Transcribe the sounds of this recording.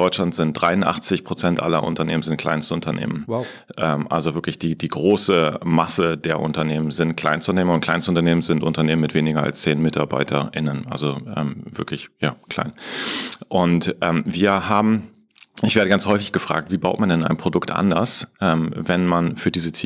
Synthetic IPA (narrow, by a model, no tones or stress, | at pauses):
ɔʏt͡ʃʃlantz̥ɪnt̚d̥ʁaɪʊntʔa̰χt͡sɪçpʁ̥ot͡sɛntʔa̰lɐ̰ʔʊ̰ntɐneːmənzɪntkl̥a̰ɪnstəʊntʰɐnḛːmən | ʔɛːmʔa̰lzovɪɐklɪçd̥iːdiːɡʁoːsəmasədeːɐʔʊ̰ntɐneːmənzɪntkʰl̥a̰ɪnstʊneːmənʊnt̚klaɪnstəʊntɐneːmən̩zɪntʔʊntɐneːmənmɪtv̥eːnɪɡɐa̰lst͡seːnmɪtaɐba̰ɪtʰɐ̰ɪ̰nənʔa̰lzoʔɛ̰ːmvɪɐklɪçjaːkʰl̥a̰ɪn | ʔʊntʔɛːmviːɐhaːbm̩ | ɪçv̥eːɐɾəɡant͡shɔʏfɪçɡ̥əfʁ̥a̰ːk̚tv̥iːbaʊtmandɛna̰ɪnpʁ̥odʊktʔa̰ndɐsʔɛːmvɛnmanfyːɐdiːzət͡sː